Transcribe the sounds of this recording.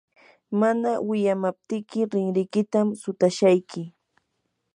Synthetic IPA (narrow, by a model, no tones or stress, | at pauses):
manawɪʎamap̚t̪ɪkɪɾɪŋɾɪjkɪt̪amsʊt̪aʃajkɪ